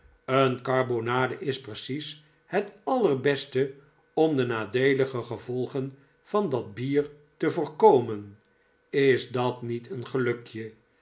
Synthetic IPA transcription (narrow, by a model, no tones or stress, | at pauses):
ənkɑrbonaːdəʔɪsprəsis | hɛtɑlərbɛstə | ɔmdənaːdejləχəχəvɔlˠχən | v̥ɑndɑd̚biːɹ | təvoːɹkowmən | ɪzdɑtnitʰənχəlɵkjə